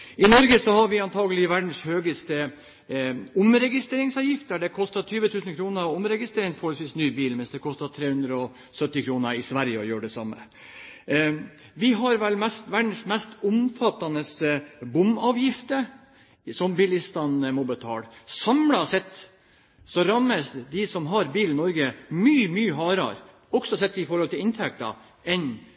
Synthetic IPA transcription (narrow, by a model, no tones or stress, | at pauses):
ɪnɔɾɡəsɔhɑɾʋɪɑnt̪ʰɑːɡəlɪʋæɖɳ̩shøːɡəst̪ə | ʊmɾɛɡɪst̪ɾeːɾɪŋsɑːʋjɪft̪əɖɛkʰɔst̪ɑt̪ʰyːʋət̪ʰʉːsn̩kʰɾuːnəɾʊmɾɛɡɪst̪ɾeːɾɪŋt̪fɔɾhɔlsʋiːsnyːbiːlmɛnsd̪ɛkʰɔst̪ɑt̪ʰɾeːhʉnd̪ɾəɔ | sœt̪ːɪkʰɾuːnəɾɪsʋæɾjəɔjøːɖɛsɑmːə̰ | ʋɪɦɑɾʋɛlmɛst̪ʋæɖɳ̩smɛst̪ʊmfɑt̪ːɑnəsəbʊmɑːʋjɪft̪ə | sɔmbɪlɪst̪ɑnmɔbət̪ʰɑ̰ːlsɑmɽɑsɛt̪ː | sɔɾɑmːəsd̪ɪsɔmɦɑɾbiːln̩nɔɾɡəmyːmyːəɦɑːɾɑ̰ɾ | ɔɡ̥sɔsɛt̪ːɪfɔɾhɔlt̪ʰɪlɪnt̪ʰɛk̚t̪ɑ̰ | ɛn